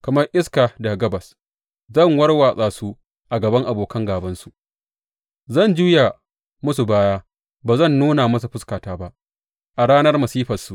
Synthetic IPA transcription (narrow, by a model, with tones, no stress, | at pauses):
kɐ˨mɐ˦rʔɪ˦skaː˨da˨ɡɐ˦bɐ˨s | zɐ˦˨ŋwɐ˦rwaː˨sʼaː˨su˦ | ʔa˨ɡɐ˨bɐ˦ŋʔa˨boː˨kɐ˦ŋɡaː˨bɐ˦nsu˨ʔ | zɐ˦˨nd͡ʒuː˦ja˨ | mʊ˦su˨baː˦jaː˦ | baː˨zɐ˦˨nːuː˦na˨mɐ˦s̬u˨ɸʊ˦skaː˨taː˦ba˦ʔ | ʔa˨ɽaː˦nɐ˦rmɐ˨siː˦ɸɐ˨su˨ʔ